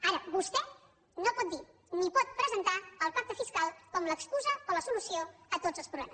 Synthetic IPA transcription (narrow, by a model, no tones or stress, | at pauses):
aɾəbust̪ɛ | nopɔt̪d̪i | nipɔt̪̚pɾəzənt̪aəlˠpak̚t̪əfiskalˠkɔmləkskuzəoləsulusioət̪odzəlˠspɾuβlɛmə